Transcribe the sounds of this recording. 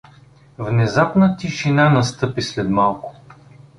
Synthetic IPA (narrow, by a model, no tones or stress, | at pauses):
vnɛzapnət̪iʃinanɐst̪ɤpislɛd̪malˠkʊ̥